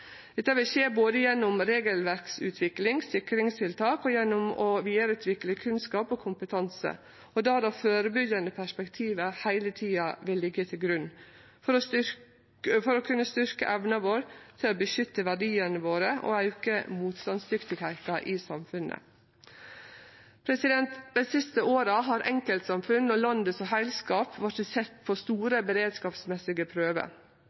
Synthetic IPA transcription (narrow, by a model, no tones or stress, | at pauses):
d̪̥ɛt̪ːɑʋɪlseːboːd̪əjɛnːʊmɾeːɡəlʋæɾksʉ̰ːt̪ʰʋɪklɪŋsɪkɾɪŋst̪ʰɪlt̪ʰɑːkɔjɛnːʊmɔʋiːɑɾʉːt̪ʰʋɪkləkʰʉnskɑːpoːkʰʊmpət̪ʰɑnsə̰ | ɔd̪ɑːd̪ɑføːɾəbʏɡɑnəpʰæʂpɛkt̪ʰiːʋəhæɪlət̪ʰiːɑʋɪlːɪɡːət̪ʰɪlɡɾʉn | fɔɾ | fɔɾɔkʰʉnːəst̪ʏɾkə̰ʔɛʋnɑʋoːɾt̪ʰɪlobəʃʏt̪ːəʋæɖiːənəʋoːɾəʔo̰æʉkə̰muːt̪st̪ɑnsd̪ʏft̪ɪɡhæɪt̪ɑʔiːsɑmfʉnə̰ | pʰɾɛsɪd̪ɛnt̪d̪æɪsɪst̪əoːɾɑɦɑːɾʔɛŋkəlt̪sɑmfʉnnɔlɑnd̪əsɔɦæɪlskɑːpʋɑʈsɛt̪ːpʰɔst̪uːɾəbəɾeːd̪skɑːpsmɛsɪɡəpʰɾøːʋə̰